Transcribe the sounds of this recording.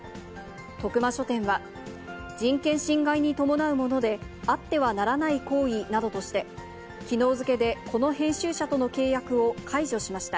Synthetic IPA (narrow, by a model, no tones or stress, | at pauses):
t̪o̞kɯ̟maɕo̞t̪ẽ̞ɰ̃βa | d͡ʑĩŋkẽ̞ɰ̃ɕĩŋɡaiɲ̟it̪o̞mo̞naɯ̟mo̞no̞d̪e̞ | at̪ːe̞βanaɾanaiko̞ːinad̪o̞t̪o̞ɕi̥t̪e̞ | kʲino̞ːzɨke̞d̪e̞kʰo̞no̞ɦẽ̞ɰ̃ɕɨːɕat̪o̞no̞ke̞ːjakɯ̟o̞kʰaiʑo̞ɕimaɕi̥t̪a